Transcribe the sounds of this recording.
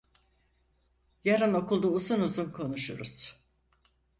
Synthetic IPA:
jaɾɯno̞kulˠd̪uːzunuzunkʰo̞nuʃṵɾuz̥

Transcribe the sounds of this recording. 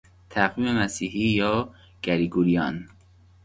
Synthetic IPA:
t̪ʰæɣviːmemæsiːhiːjɒː | ɡ̥æɾiːɡuɾijɒːn

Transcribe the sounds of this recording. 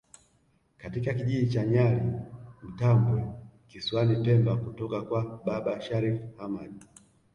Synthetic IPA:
katikakiʄiit͡ʃaɲalim̩tamɡwɛkiswanipɛmbakutɔkakwaɓaɓaʃaɾifhamaɗi

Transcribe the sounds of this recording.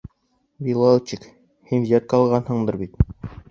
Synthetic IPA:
bilˠɑt͡ɕik | hinjɑt̪̚qɑlˠʁɑnhɤ̆ɴd̪ɤɾbit̪

